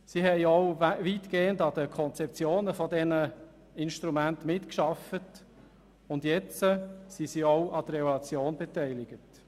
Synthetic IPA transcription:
sihɛjɔʊʋit̪ɡ̥eːəndɑd̪əkʰɔnt͡sɛp̚t͡sjoːnəfɔdɛnə | ɪnʃt̪ɾumæntmɪtkʃɑfət | ʊndjɛt͡səsisiːoʊʔɑd̥̪əɾɛvolɑt͡sjoːnbɛtɛɪlɪɡ̥ət

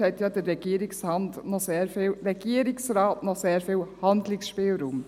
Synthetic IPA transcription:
ɛɪtjɑdəɾːɛɡ̥iːɾɪkshɑntnɔseːɾfɪːlɾɛɡ̥iːəɾɪksɾɑːtnɔseːɾfɪːlhɑndlɪksʃpɪːlɾuːm

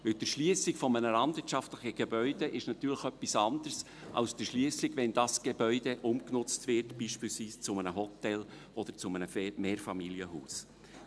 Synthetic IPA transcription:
vɪld̥əʃliəsɪkfɔmənəlɑndvɪtʃɑftləχəɡ̥ebœʏdeʔɪʃnɑt̪yːɾlɪxœpːisɑnd̥ərs | ʔɑ̰lsd̥əʃliəsɪɡvɛndɑsɡ̥ebœʏdeʔʊmknʊt͡stvɪɾtb̥iːʃpiːlsviːst͡sʊmənəɦɔt̪ɛlʔɔd̥̪əɾt͡sʊmənəfmeːɾfɑmiljəɦuːs

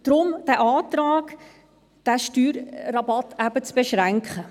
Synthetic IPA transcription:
d̥ɾʊmd̥æʔɑːt̪ɾɑːk | d̥æʃtyːɾrɑbɑtæb̥ət͡sb̥ɛʃʁæŋkχə

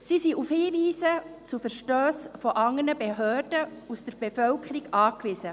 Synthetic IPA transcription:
sisiʔufhiːʋiːsət͡sufəɾʃtøːsfɔʔɑŋənəbeɦøːrd̥əusdəɾb̥efœlkʰəɾiɡɑːkʋɪsə

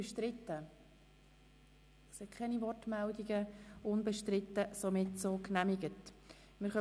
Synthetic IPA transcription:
ʃtɾɪt̪ːə | sɛkʰɛnivɔrtmældiɡəʊnbɛʃtɾɪtːəsomɪtsoːknæmiɡət | mɪɾχœ

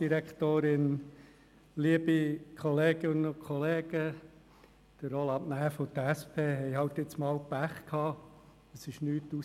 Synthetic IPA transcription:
d̥iɾækt̪oːɾɪn | liəbikʰχɔleːɡ̥ɪnəʊkʰɔleːɡ̥ə | d̥əɾɔlɑʔnæːfot̪əæspʰeːɦɛɪɦhɑwt̪ɪt͡smɑːwpæχkʰhɑː | əsɪʃnyːtu

